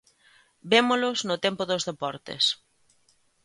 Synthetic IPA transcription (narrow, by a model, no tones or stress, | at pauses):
bemolʊznʊt̪empʊðozðepɔɾt̪ḛs